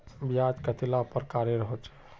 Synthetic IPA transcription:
bijad͡ʒkət̪ʰilapəɾkaɾjəɾəɦot͡ʃɛ̥

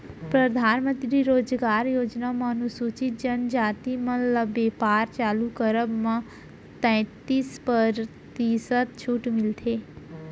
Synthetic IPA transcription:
pɾəd̪ʱaːnmə̃nt̪ɾiɾoːd͡ʒɡaːɾjoːd͡ʒnamanusuːt͡ʃɪt̪̚d͡ʒənd͡ʒaːt̪imə̃ləbeːpaːɾt͡ʃaːlukəɾəbmã | t̪ɛ̃ːt̪ispəɾ | t̪isət̪t͡ʃʰuːʈmɪlt̪ʰeː

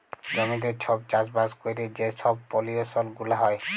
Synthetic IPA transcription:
d͡ʑɔmid̪eɾt͡ɕʰɔb̚t͡ɕasbaskojɾed͡ʑeʃɔbpoliosɔlɡulaɦɔe

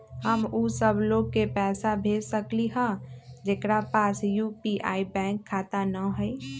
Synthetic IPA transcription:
həmuːsəbʱloːɡ̚kepɛːsabʱeːd͡ʒsəkliɦə̃d͡ʒeːkɾapaːsjuːpiʔaːibɛ̃ːŋkʰːaːt̪anəɦʊi

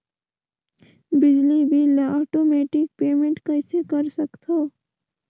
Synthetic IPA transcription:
bɪd͡ʒlibʱilɔːʈoːmɛːʈɪk̚peːmẽɳʈkɐɪsekɐɾsɐkt̪ʰa

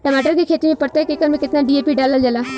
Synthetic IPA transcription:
ʈəmaːʈəɾkekʰeːt̪iːmẽːpəɽt̪aːkekːəɾmẽkɪt̪naːɖiːeːpiːɖaːləld͡ʒəlaː

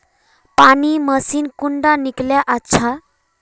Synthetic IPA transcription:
paniməsiːnkuɳɖanikljaʔətːɕʰa

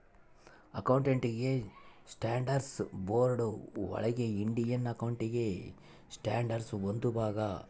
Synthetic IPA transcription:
ɐkɐwuɳʈeɳʈiɡesʈaːɳɖɐɾsboːɾɖuʋɐ̰ɭɐɡeiɳɖijɐnɐkɐwuɳʈiɡe | sʈaːɳɖɐɾsond̪ubʱaːɡɐ

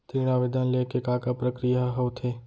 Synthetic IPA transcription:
t̪ɾiːɽ̃aʋɪd̪ʱanleːkekaːkapɾɐkɾijaɦɐwt̪ʰeː

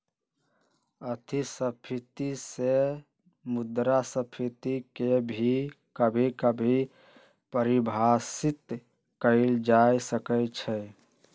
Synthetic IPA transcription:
ət̪ʰisəpʰit̪ise | mud̪ɾasəpʰit̪ikebʱi | kəbʱikəbʱi | pəɾibʱasit̪ | kəɪld͡ʒajsəkət͡ʃʰɛ

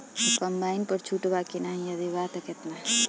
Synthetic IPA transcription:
kəmbaːɪnpəɾt͡ʃʰuʈbakinaɦĩɐd̪ibat̪ɐket̪na

